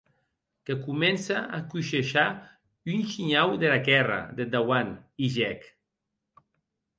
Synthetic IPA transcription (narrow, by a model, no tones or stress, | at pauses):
kekumɛnsaakuʃeʃa | ynʃiɲawðelakɛra̰ðed̪awaniʒɛk